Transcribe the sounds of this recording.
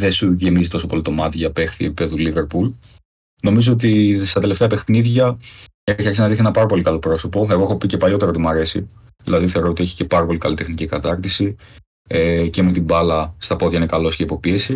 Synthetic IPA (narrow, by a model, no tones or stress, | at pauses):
ðe̞suʝe̞mizit̪o̞so̞po̞lit̪omɐt̪ʝɐpe̞xθiepipe̞ðulive̞ɾpul | no̞mizo̞ot̪ist̪ɐt̪eleft̪eɐpe̞xniðʝɐ | eçiɐksiznɐðiθienɐpɐɾɐpo̞likɐlo̞pɾo̞sopo̞e̞ɣexopice̞pɐʎo̞t̪e̞ɾot̪imuɐɾe̞sḭ | ðilɐðiθe̞o̞ɾot̪ie̞çi̥ce̞pɐɾɐpo̞likɐlit̪e̞xnicikɐt̪ɐɾt̪isi | ece̞me̞t̪imbɐlɐst̪ɐpo̞ðʝɐinekɐlo̞sceipo̞pie̞si